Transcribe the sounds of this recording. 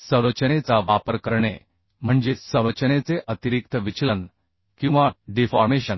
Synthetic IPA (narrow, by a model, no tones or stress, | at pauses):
səɾət͡ɕənet͡saʋapəɾkəɾɳḛ | m̤əɳd͡zesəʋɾət͡ɕənet͡seʔət̪iɾik̚t̪əʋit͡ɕlən | kĩw̃ʋaɖifɔɾmeɕən